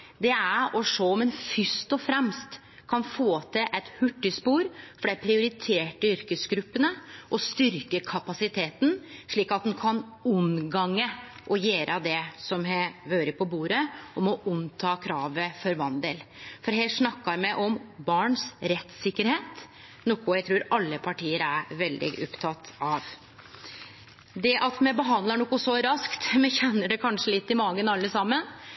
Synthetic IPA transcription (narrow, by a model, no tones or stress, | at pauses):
d̪ɛæɾɔʂoːɔmɛnfʏst̪ɔfɾɛmst̪ | kʰɑnfoːt̪ʰɪʔɛt̪hʉʈːɪspuːɾfɔɖɛæpʰɾɪʊɾɪt̪ʰeːʈəʏɾkəsɡɾʉpːənəʔɔst̪ʏɾkəkʰɑpɑsɪt̪ʰeːt̪nʂɭiːkɑt̪̚d̪ɛnkʰɑn | ʊnɡɑŋːə | ʔɔjeːɾʔəd̪ɛsɔmɦɛʋøːɾəpʰɔbuːɾəʔɔmɔʔʉnt̪ʰɑːkʰɾɑːʋəfɔɾʋɑnd̪eːlfɔɾɦɛlt̪ʂnɑkːɑɾmɛʔɔmbɑːɳsɾɛt̪sɪkːəɾheːt̪ | nɔkːʊjæɪt̪ʰɾuːɾɑlːəpʰɑʈʰiːəɾæɾʋɛld̪ɪ̰ʔɔpt̪ʰɑt̪ːɑʋ | d̪ɛʔɑt̪mɛbəɦɑnd̪ləɳɔkːʊsɔɾɑskt̪mɛçɛnːəɖɛkʰɑnʂəlɪt̪ːɪmɑːɡənɑlːəsɑmːən